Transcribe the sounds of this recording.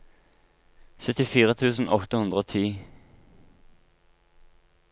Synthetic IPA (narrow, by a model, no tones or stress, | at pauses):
sœt̪ɪfiːʁət̪ʰʉːsn̩ʔɔt̪əhʉnd̪ʁəoːt̪ʰiː